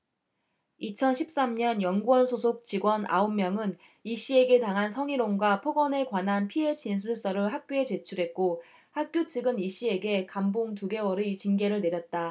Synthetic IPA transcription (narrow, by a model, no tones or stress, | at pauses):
it͡ɕʰʌnɕʰip̚s͈amɲʌnjʌŋɡuʌnsʰosʰok̚t͡ɕiɡwʌnʔa̰omːjʌŋɯn | iɕ͈ie̞ɡe̞taŋɦansʰʌŋiɾoŋɡwapʰʌɡʌne̞kwanɦanpʰie̞t͡ɕins̬ʰuɭs͈ʌɾɯɭɦak̚k͈joe̞t͡ɕe̞t͡ɕʰuɾɦe̞t̚k͈o | hak̚k͈jot͡ɕʰiɡɯniɕ͈ie̞ɡe̞kamboŋtuɡe̞wʌɾit͡ɕinɡe̞ɾɯɭne̞ɾjʌt̚t͈a